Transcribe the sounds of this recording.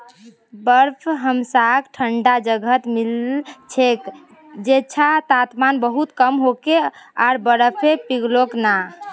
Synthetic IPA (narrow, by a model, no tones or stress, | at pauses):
bəɾpʰɦəmsakʈʰəɳɖad͡ʒəɡʱət̪milt͡ʃʰek | d͡ʒet͡ʃʰat̪at̪manbəɦut̪kəmɦokeaɾbəɾəpʰepiɡlokna